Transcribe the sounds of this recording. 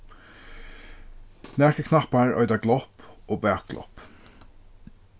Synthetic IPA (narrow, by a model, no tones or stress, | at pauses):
næɹkəkʰnapaɹœ̰ʏd̪aɡlɔpoːbæːkɡ̥lɔ̰p